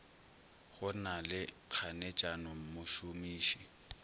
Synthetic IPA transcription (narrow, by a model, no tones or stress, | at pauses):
ɣʊnalɪ | q͡χʰanet͡ʃʼanɔm̩mʊʃʊmiːʃi